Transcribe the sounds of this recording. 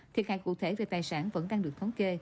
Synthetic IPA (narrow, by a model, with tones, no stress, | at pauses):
t̪ʰi˨˩əhaː˧˨jkṵ˧˨t̪ʰe˧˩˦ve˨˩t̪aː˨˩jsaː˧˩nvə̰˧˥nɗaː˧ŋɗɨ˨əkt̪ʰə˨˦ke˧